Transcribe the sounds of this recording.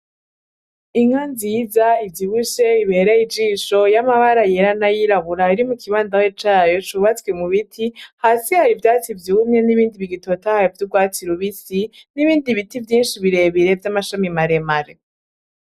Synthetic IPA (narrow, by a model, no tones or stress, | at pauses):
iŋ̥anziizaivjiβuʃe̞iβeɾeid͡ʒiːʃo̞jamaβaɾajeɾanajiɾaβuɾaiɾimukʰiβaːndawet͡ʃaːjo̞t͡ʃuβat͡swemuβitʰihasihaɾivjaːt͡sivjumɲe̞niβiːndiβiɡito̞tahajovjuɡwaːt͡siɾoβisiniβiːndiβitivjiːnʃiβiɾe̞βiɾe̞vjamaʃamimaɾemaɾe